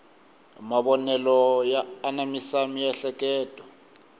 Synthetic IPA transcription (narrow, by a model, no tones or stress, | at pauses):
maβɔnɛlɔjaːnamisamijɛɬɛkʼɛːtʼɔ